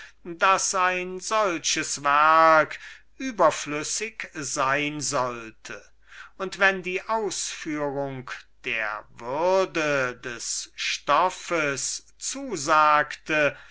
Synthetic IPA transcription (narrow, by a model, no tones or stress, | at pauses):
dasaɪnzɔlʃəsvɛɐkʔyːbɐflʏsɪkz̥aɪnzɔltʰə | ʊntv̥ɛndiːʔaʊsfyːʁʊŋkd̥ḛːɐvʏʁdədɛsʃtɔfəs | t͡suːzaːktʰə